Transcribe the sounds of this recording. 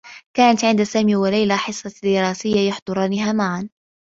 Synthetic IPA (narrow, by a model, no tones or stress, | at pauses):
kaːnat̪ʕɪnd̪asaːmiːwalajlaħɪsˤːɑd̪ɪɾɑːsɪjːajʊħd̪ˤʊɾˤɑːnɪɦaːmaʕan